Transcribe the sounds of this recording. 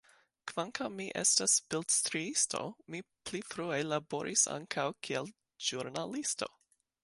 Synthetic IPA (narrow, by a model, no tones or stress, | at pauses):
kv̥aŋkawmːiʔḛstasbildstɾiisto̞̰miplifɾuelabo̞ɾʔisa̰ŋkʰawkʰiel | ʒ̥uɾnalisto̞̰